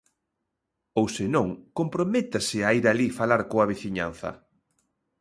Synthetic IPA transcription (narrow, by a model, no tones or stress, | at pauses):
owsɪnõŋkompɾomet̪asɪaiɾalifalaɾkoaβ̞iθiɲa̰n̟θɐ̰